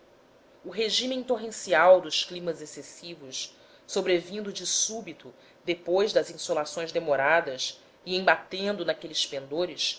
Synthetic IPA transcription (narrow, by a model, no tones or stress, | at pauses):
ʊɦeʒĩmiĩt̪oɦẽsiawd̪ʊʃklĩmɐzesesivʊʃ | sobɾevĩnd̪ʊd͡ʒɪsubit̪ʊ | d̪epojzd̪ɐzĩsolasõj̃zd̪emoɾad̪ɐs | ɪẽbat̪ẽnd̪ʊnakelɪspẽnd̪oɾis